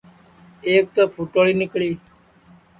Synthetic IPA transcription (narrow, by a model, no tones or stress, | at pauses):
eːk̚t̪oːpʰuːʈoːɭiːnɪkɭiː